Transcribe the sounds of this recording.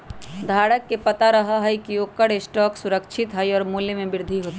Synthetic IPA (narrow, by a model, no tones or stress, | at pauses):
d̪ʱaːɽəkːepɐt̪aɾɐɦaɦɛikiokɐɽesʈɔːksʊɾəkʃʰɪt̪ɦɛjɔːɾmuːljəmẽbɪɾd̪ʱiɦoːt̪i